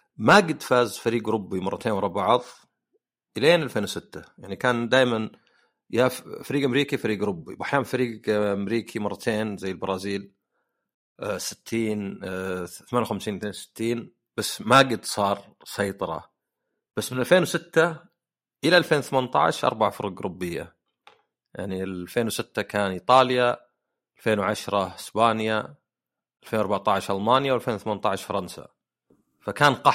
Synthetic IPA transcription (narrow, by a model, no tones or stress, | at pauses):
maɡɪd̪faːzfaɾiːɡɾʊbːimɑrˤːɑt̪ʰeːnwɑrˤɑbaʕðˤ | ʔɪleːnʔalfeːnwsɪt̪ːajaʕnikaːnd̪aːjman | jafaɾiːɡʔamɾiːkifaɾiːɡɾʊbːḭwʔaħjaːʔfaɾiːɡʔamɾiːkʰimɑrˤːɑt̪ʰeːnzajːɪlbɑɾˤɑːziːl | sɪ̥t̪ʰːiːn | θamaːnjwxamsiːnmɪt̪neːnsɪ̥t̪ːiːn | b̥asːmaɡɪd̪sˤɑːɾˤ | sˤɑjt̪ˤɑɾˤɑ̰ | b̥asːmɪnʔalfeːnwsɪt̪ːa | ʔɪlaʔalfeːnwθamant̪ˤɑ̰ʕɪ̰ʃʔɑ̰ɾˤbaʕfʊɾˤɡɾʊbːɪjːa̰ | ja̰ʕnilfeːnwsɪt̪ːakʰaːnʔit̪ˤɑːlja | alfeːnwʕaʃɾˤɑɪsbaːnja | ʔalfeːnwɑɾbaʕt̪ˤaʕɪʃʔalmaːnjawalfeːnwθamant̪ˤaʕɪʃfɑɾˤɑnsa̰ | fakaːnqɑ